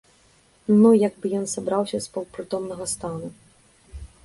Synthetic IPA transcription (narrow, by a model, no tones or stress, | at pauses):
nujaɡbɨjɔnsabɾawsʲɐspɐwpɾɨt̪ɔmnɐɣɐst̪anu